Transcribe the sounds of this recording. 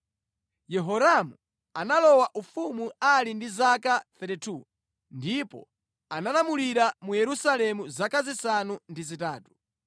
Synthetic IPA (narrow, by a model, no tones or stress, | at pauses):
jɛɦɔɾamu | analɔwaʔufumualindizakaθɛtɛtʰu | ndipɔ̰ | analamuliɾamujɛɾusalɛmuzakazisanundizitaːtu̥